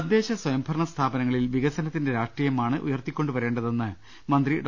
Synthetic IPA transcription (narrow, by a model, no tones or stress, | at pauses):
ɐd̪je̞ːɕɐswɐjɐmbʱɐrɳɐst̪ʰaːbɐnɐŋːɐɭilʋiɣɐsɐnɐt̪ːinde̞ɾaːʂʈrijɐmaːɳɨʔṵjɐrt̪ikʲːo̞ɳɖuʋɐɾe̞ːɳɖɐðe̞nːɨ | mɐnd̪riɖ